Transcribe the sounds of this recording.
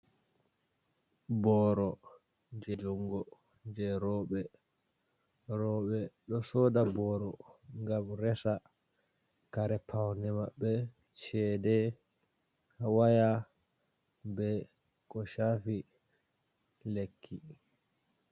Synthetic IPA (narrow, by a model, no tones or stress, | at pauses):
bɔːɾɔ | d͡ʒɛd͡ʒɔŋɡɔ | d͡ʒɛɾɔɓɛ | ɾɔːɓɛɗɔsɔdabɔːɾɔŋɡamɾɛsa | kaɾɛpʰawnɛmaɓːɛ | t͡ʃɛːdɛ | hawaja | bɛ | kɔʃaːfi | lekʰːi